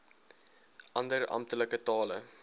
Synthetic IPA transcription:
ʔɐndərɐ̰mtələkətɑːlə̰

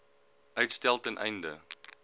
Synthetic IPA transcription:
ʔœɥtstælˠtɛnʔɛ̰jndə

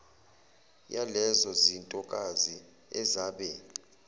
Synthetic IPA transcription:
jalɛzɔzintʼɔkʼazi | ɛzaɓɛ

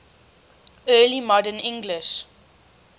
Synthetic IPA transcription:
ɜːlimɔdənɪ̃ŋɡlɪʃ

